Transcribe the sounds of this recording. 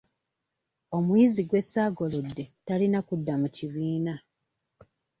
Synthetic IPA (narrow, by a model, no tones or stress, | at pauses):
o̞mwiziɡwe̞sːaːɡo̞ludːe̞talinakudːamuciβiːna